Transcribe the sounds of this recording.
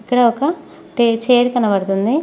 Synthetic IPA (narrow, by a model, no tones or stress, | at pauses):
ikːɐɽɐɔkɐ | ʈet͡ʃeːɾkɐnɐʋɐɽt̪und̪i